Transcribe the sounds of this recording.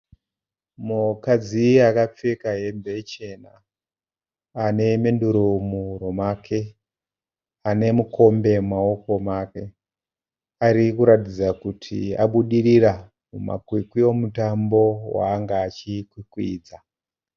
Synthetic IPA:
mukad͡ziakap͡fekaɦe̞mbe̞t͡ʃe̞na | ane̞me̞nduɾomuɾomakʰe̞ | ane̞mukʰo̞mbe̞mao̞ko̞make̞ | aɾikuɾatid͡zakutʰḭa̰ɓuɗirira | muma̰kwikwio̞mutambo̞wa̰ːŋɡaːt͡ʃikwikwḭːd͡za

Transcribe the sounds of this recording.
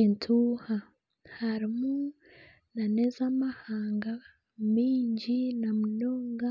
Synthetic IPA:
intʰuːha | haɾimu | nanezamahaːŋɡa | miːɲɟinamunoːŋɡa

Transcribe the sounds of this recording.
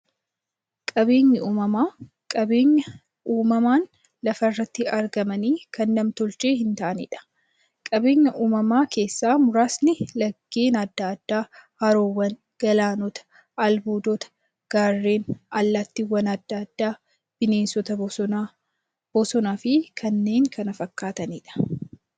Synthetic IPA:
kʼɐbe̞ːɲːɐuːmɐmaː | kʼɐbeːɲːɐ | uːmɐmaːn | lɐfɐɪrːɐt̪ːɪɐɾɡɐmɐniːkɐnːɐmt̪ʊlt͡ʃeːhɪnt̪aʔɐnḭːᶑɐ̥ | kʼɐbe̞ːɲːɐʔuːmɐmaːke̞ːsːaːmʊɾaːsnɪlɐɡːe̞ːnɐd̪ːaːd̪̥ːaːhɐɾoːwɐn | ɡ̥ɐlaːnɔt̪ɐ̥ | ɐlbuːd̪ɔt̪ɐ̥ | ɡ̥aːrːe̞ːnɐlːɐt̪ːɪwɐnɐd̪ːad̪̥ːaː | b̥ɪne̞ːnsɔt̪ɐ | b̥ɔsɔnaːfɪkʰɐnːe̞ːŋkʰɐnɐfɐkːaːt̪ɐniːᶑɐ̥

